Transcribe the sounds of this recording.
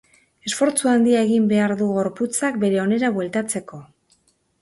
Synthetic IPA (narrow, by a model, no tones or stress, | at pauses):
e̞sfo̞ɾt͡suand̪iaeɣimbe̞aɾðuɣ̞o̞ɾput͡sak̚be̞ɾe̞o̞ne̞ɾaβwe̞lt̪at͡se̞ko̞